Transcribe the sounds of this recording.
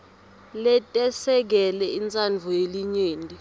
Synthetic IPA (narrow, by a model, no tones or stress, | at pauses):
lɛtʼɛsɛk̬ɛlɛint͡sʼanvʱɔeliɲeːndʱʼi